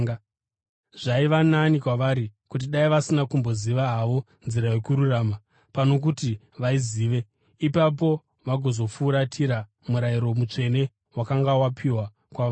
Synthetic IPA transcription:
ʐ̥aiʋananikwaʋaɾikut̬iɗaiʋasinakumbo̞ziʋaɦaʋo̞ | nziɾaje̞kuɾurama | pano̞k̬uti | ʋaiziːʋe̞ | ipap̬o̞ | ʋaɡʱo̞zo̞fuːɾatʰiɾa | muɾaiɾo̞mut͡ʂe̞ne̞ | wakaŋɡawapʰiwa | kwaʋa

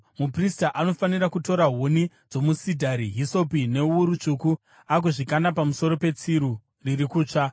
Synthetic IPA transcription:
mupristaʔano̞faniɾakuto̞ɾaɦoni | d͡zo̞musidʱaɾiɦiso̞pine̞uɾut͡ʂuku | ak̬oʐikanapamuso̞ɾo̞pe̞t͡siɾu | riɾikuːt͡ʂa

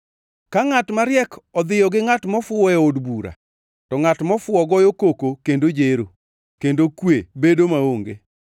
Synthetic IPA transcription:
kaŋatmaɾjɛkɔd̪ɪjɔɡɪŋatmɔfwɔɛodbuɾa̰ | tɔŋatmɔfwʊɔɡɔjokokokendod͡ʒeɾo̰ | kendokwebedomaoŋɡe

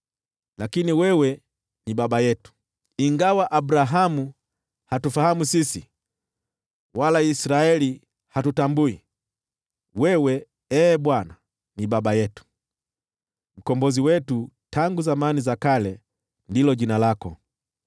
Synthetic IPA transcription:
lakiniwɛwɛ | niɓaɓajɛtu̥ | iŋɡawaʔabɾaɦamu | hatufahamusisi | walaisɾaɛli | hatutambui | wɛwɛ | ɛːɓwana | niɓaɓajɛtu̥ | m̩kɔmbɔziwɛtutʰaŋɡuzamanizakalɛ | ndilɔʄinalakɔ

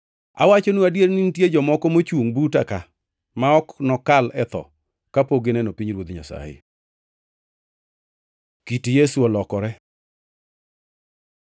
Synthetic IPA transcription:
a̰wat͡ʃonuadjeɾnintjed͡ʒɔmɔkɔmot͡ʃwuŋbutaka | maɔknɔkalɛt̪ɔ̰ | kapoɡenɛnopiɲɾwod̪ɲa̰sa̰ɪ̰ | kitijesuɔlɔkɔɾɛ

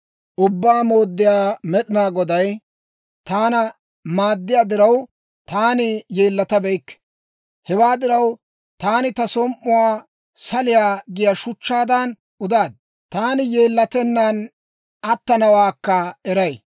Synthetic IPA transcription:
ʔʊbːaːmo̞ːd̪ːɪjaːmɛɗɪnaːɡɔd̪ɐj | t̪aːnɐ | maːd̪ːɪjaːd̪ɪɾɐw | t̪aːnɪjeːlːɐt̪ɐbɛjkːɛ̥ | hɛwaːd̪ɪɾɐw | t̪aːnɪt̪ɐsɔmʔʊwaː | sɐlɪjaːɡɪjɐʃʊt͡ʃːaːd̪ɐn | ʊd̪aːd̪̚ | t̪aːnɪjeːlːɐt̪ɛnːan | ɐt̪ːɐnɐwaːkːɐɛɾɐj

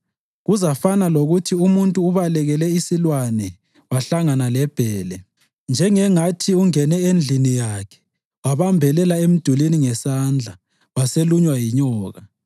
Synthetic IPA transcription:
ɣuzafanaloɣutʰiumuntʼuːβalɛɣɛlɛisilwanɛ | waɬaŋanalɛb̥ʱɛːlɛ | nd͡ʒʱɛŋɛŋatʰiuŋɛnɛend͡ɮʱinijakʰɛ̥ | waβambʱɛlɛlaem̩d̥ʱuliniŋɛsaːnd͡ɮʱa | waseluɲwajiɲɔːɣa

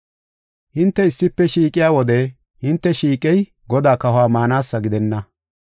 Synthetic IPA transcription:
hɪnt̪ːɛɪsːɪpːɛʃiːkʼɪjaːwɔd̪ɛ | hɪnt̪ːɛʃiːkʼɛj | ɡɔd̪aːkɐhʊaːmaːnaːsːɐɡɪd̪ɛnːɐ

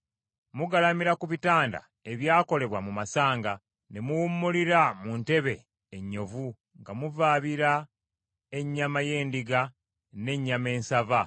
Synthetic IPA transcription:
muɡalamiɾakuβitaːnda̰ | e̞βjaːko̞le̞βwamumasaːŋɡa | nemuwumːuliɾamunte̞βe̞ː | ɲːo̞vu | ŋɡamuvaːβiɾa | e̞ɲːamaje̞ːndiɡa | ne̞ɲːame̞ːnsava

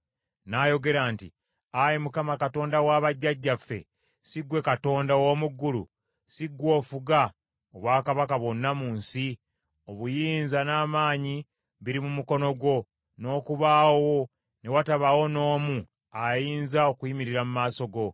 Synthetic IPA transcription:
najo̞ɡe̞ɾaːntḭ | ajimukamakato̞ːndawaːβaɟːaɟːafːe̞̰ | siɡwe̞kato̞ːndawo̞ːmuɡːulṵ | siɡːwo̞ːfuɡa | oβwaːkaβakaβwo̞nːamuːnsi | oβujiːnzanaːmaːɲi | βiɾimumuko̞no̞ɡwo̞ | no̞ːkuβaːwo̞ | ne̞wataβawo̞no̞ːmu | ajiːnzao̞kujimiɾiɾamumaːso̞ɡo̞

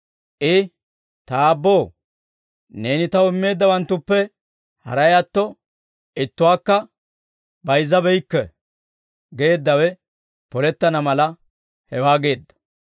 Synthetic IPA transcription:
ʔɪ | t̪aːbːo̞ː | ne̞ːnɪt̪ɐwɪmːe̞ːd̪ːɐwɐnt̪ːʊpːɛ | hɐ̰ɾɐjɐt̪ːɔ | ɪt̪ːʊwaːkːɐ | bɐjzːɐbɛjkːɛ̰ | ɡe̞ːd̪ːɐwɛ | pɔlɛt̪ːɐnɐmɐlɐ | hɛwaːɡe̞ːd̪ːɐ̥

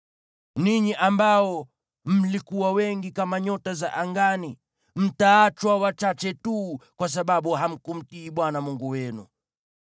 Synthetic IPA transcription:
niɲiʔambaɔ | m̩likuwawɛŋɡikamaɲɔtaza̰ʔaŋɡani | m̩taːt͡ʃwawat͡ʃat͡ʃɛtuːkwas̬aɓaɓuɦam̩kum̩tiːɓwanamuŋɡuwɛnṵ

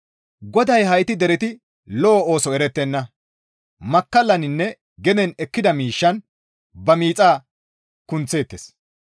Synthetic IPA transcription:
ɡɔd̪ɐjhɐjt̪ɪd̪ɛɾɛt̪ɪ | lɔːo̞ːsɔɛɾɛt̪ːɛnːɐ | mɐkːɐlːɐnɪnːɛ | ɡɛnɛnɛkːɪd̪ɐmiːʃːɐn | bɐmiːt͡sʼaː | kʊnt͡sːe̞ːt̪ːes

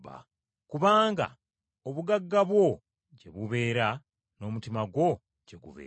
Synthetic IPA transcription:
a̰ | kuβaːŋɡa̰ | oβuɡaɡːaβwo̞ | ɟe̞βuβe̞ːɾa | no̞ːmutimaɡwo̞ | ɟe̞ɡṵβḛː

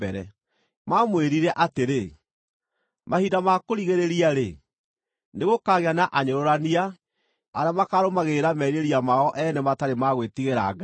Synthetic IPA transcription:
ɛɾɛ̰ | mamweɾiɾɛʔateɾe | mahidamakoɾiɣeɾeɾiaɾe | neɣokaɣeanaʔaɲoɾoɾania | aɾamakaɾomaɣeɾamɛɾeɾiamaɔʔɛnɛmataɾemaɣwetiɣeɾa̰ɡa

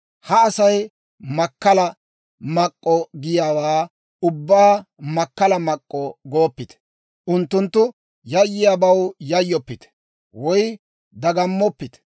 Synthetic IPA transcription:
hɐːsɐj | mɐkːɐlɐ | mɐkʼːɔɡɪjaːwaː | ʊbːaːmɐkːɐlɐmɐkʼːɔɡoːpːɪt̪ɛ̥ | ʔʊnt̪ːʊnt̪ːʊ | jɐjːɪjaːbɐwjɐjːɔpːɪt̪ɛ̥ | wɔj | d̪ɐɡɐmːɔpːɪt̪

